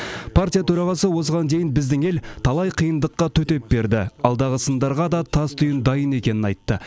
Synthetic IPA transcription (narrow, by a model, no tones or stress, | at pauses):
pʰaɾt̪ʲijat̪ʰɵɾɑʁɑsəwo̞səʁɑnd̪e̞jɪnbɪzd̪ɪŋe̞lt̪ʰɑlˠɑjqʰijənd̪əqːɑt̪ʰɵt̪e̞p̚be̞ɾd̪ɪɑlˠd̪ɑʁəsənd̪ɑɾʁɑd̪ɑt̪ʰɑst̪ʰʊjənd̪ɑjəne̞kʲe̞nɪnɑjt̪ːə